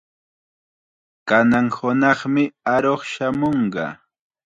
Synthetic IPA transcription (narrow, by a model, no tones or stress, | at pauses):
kanaŋhʊnɑχmɪaɾoχʃamoɴɢɑ̰